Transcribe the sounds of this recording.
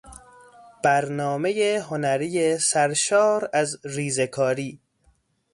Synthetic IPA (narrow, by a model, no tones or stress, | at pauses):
b̥æɾnɒːmejeɦo̞næɾiːjesæɾʃɒːɾæzɾiːzekʰɒːɾiː